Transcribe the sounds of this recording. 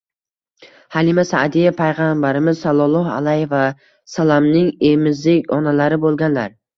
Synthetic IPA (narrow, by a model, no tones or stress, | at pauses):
halɪmasad̪ijapʰajʁambaɾɪmɪzsalˠɒlˠɒha̰lajeva | salamnɪŋemɪzlɪkʲɒnalaɾɪbolˠɡʲanlaɾ